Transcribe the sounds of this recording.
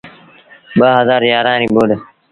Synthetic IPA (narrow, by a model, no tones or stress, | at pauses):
bəɦɐzaːɾjaːɾãːnĩːboːle